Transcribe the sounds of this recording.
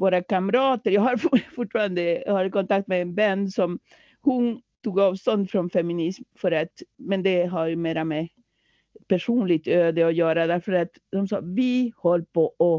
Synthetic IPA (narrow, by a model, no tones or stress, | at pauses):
voːɾakaməɾɑːt̪əɾjɑːɡhaɾffʊʈːfɑːɾand̪əhaɾkɔnt̪ak̚t̪mɛːnbɛnːsɔm | hʊnt̪ʰuːɡɑːvst̪ɔnd̪fɾɔnfɛmɪnɪsmfœɾat̪mɛnd̪ɛɦaɾmeːɾamɛ | pæʂuːnlɪɡ̚t̪øːd̪əɔjœːɾad̪æɾfœɾat̪ | d̪ɔmsɑ̰ːvɪhɔlːpʰɔʔɔ